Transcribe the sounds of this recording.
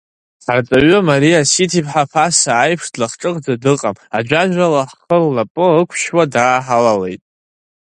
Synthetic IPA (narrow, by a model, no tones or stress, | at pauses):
art͡sʼaɥɨmaɾiasitʰipʰħapʰasaːjpʰʂdlaχʈ͡ʂʼɨqʼd͡zadɨqʼamad͡ʒʷᶣaʒᶣʷalaħχəlːapʼɨəkʷʰʃwadaːħalale̞jtʼ